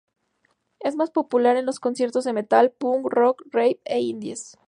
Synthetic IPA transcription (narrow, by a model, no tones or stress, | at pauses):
e̞zmaspo̞pulaɾe̞nlo̞sko̞nsje̞ɾt̪o̞zðe̞me̞t̪alpuŋrokrejp̚eind̪jes